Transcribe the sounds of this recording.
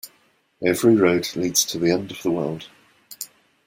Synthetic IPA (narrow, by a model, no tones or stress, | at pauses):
ɛvɹiɹəʊdliːdz̥tʰəðiɛ̃ndəvðəwɜːlˠd̥